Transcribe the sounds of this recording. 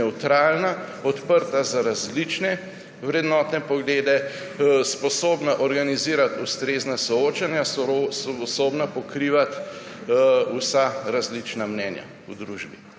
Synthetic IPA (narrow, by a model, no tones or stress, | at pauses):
ɛwt̪ɾaːlnaɔt̪pəɾt̪azaɾazlit͡ʃnɛ | wɾɛd̪nɔːt̪nɛpɔɡleːd̪ɛ | spɔsoːbnaʔɔɾɡaniziːɾat̪ust̪ɾeːznasɔoːt͡ʃanjasspɔsoːbnapɔkɾiːʋat̪ | usaɾazlit͡ʃnamnɛnja̰ | ud̪ɾuːʒbi